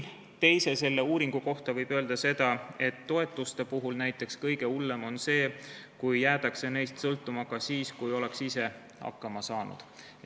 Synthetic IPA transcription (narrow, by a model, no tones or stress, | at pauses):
t̪e̞jse̞se̞lːe̞uːɾiŋɡ̥uko̞ht̪ɑvɤjb̥ø̞ːld̪ɑse̞d̪̥ɑe̞t̪ːo̞e̞t̪ːˑust̪e̞puɦulnæjt̪ːˑe̞kskɤjɡ̥e̞ulːe̞mo̞nse̞ːkujːæːt̪ɑkse̞ne̞jst̪sɤlt̪ːˑumɑkɑsiːskujo̞le̞ksise̞ | hɑ̰kːɑmɑsɑːnṵd̪̥